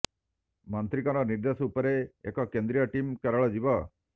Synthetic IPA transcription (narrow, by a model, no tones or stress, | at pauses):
mant̪ɾikɔnɔniɾd̪esupɔɾeːkɔkend̪ɾijɔʈimkɛɾɔɭɔd͡ʒibɔ